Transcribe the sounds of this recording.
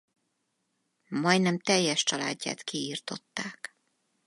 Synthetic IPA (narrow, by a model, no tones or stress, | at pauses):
mɒjd̪nɛmt̪ɛjːɛʃt͡ʃɒla̰ːɟːa̰ːt̪kiiːrt̪o̞t̪ːaːk